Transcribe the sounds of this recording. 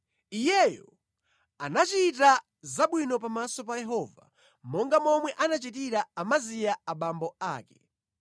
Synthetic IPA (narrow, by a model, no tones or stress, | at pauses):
ijɛjɔ̰ | a̰nat͡ʃita | zaɓwinɔpamasɔpajɛɦɔva̰ | mɔŋɡamɔmwɛʔanat͡ʃit̬iɾaːmazijaaɓambɔa̰ːkɛ̥